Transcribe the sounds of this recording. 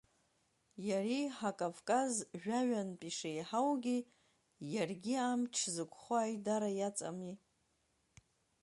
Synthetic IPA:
jariħakʼavkʼazʒᶣaɥanpʼiʂejħawɡʲi | jarɡʲiamt͡ʃʰzɨkʷʰʼχʷaːjdaɾajat͡sʼa̰mi

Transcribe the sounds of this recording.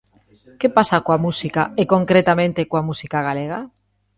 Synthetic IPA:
kepasakowamusikaekõŋkɾet̪amẽnt̪ekoamusikaɣ̞aleɣa

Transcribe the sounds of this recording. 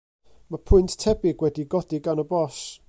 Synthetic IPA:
mapʰʊɨnttʰɛbɪɡwɛdiɡɔdɪɡanəbɔʃ

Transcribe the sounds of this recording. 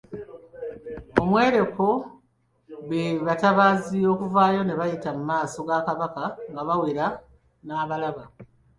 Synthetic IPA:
omwe̞ːɾe̞ko̞ | βeβataβaːzio̞ːkuvaːjo̞ne̞βajitamumaːso̞ɡaːkaβakaŋɡaβawiɾa | naːβalaβa

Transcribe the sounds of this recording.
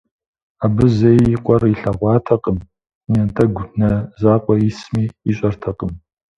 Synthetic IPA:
abɨzɐjiqʷʼɔriɬɐʁʷɑːtʰɐqʼəm | nɐntʰɐɡʷnɐzaːqʷʼɔismiːɕʼɐrtʰɐqʼəm

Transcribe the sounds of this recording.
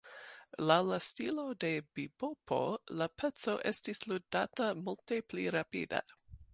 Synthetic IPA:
lawlastilo̞de̞bibopʰo̞̰lapʰet͡so̞ʔestisludatamultepliɾapḭda̰

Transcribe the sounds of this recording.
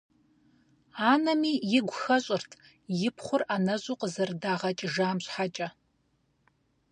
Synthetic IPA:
aːnɐmiːjɪɡʷʊxɐɕʼɪrtʰ | jɪpʰχʷʊranɐʑuːqʼəzɨrdaːʁɐt͡ʃʼʒaːmɕħat͡ʃʼɐ

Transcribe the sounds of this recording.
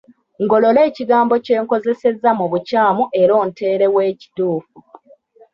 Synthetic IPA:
ŋɡo̞lo̞le̞ːciɡaːmbo̞ce̞ːŋko̞ze̞se̞zːamuβucaːmuʔe̞ɾo̞ːnte̞ːɾe̞we̞ːci̥tuːfu

